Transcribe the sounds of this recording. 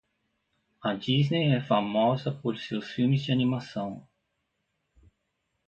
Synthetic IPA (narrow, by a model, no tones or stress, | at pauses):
ɐd͡ʒiznejɛfamɔzɐpoɾsewsfiwmɪzd͡ʒɪanimasɐ̃w̃